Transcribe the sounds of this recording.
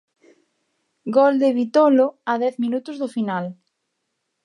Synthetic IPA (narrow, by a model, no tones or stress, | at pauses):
ɡold̪eβit̪oloaðɛθmĩnut̪ozðofinal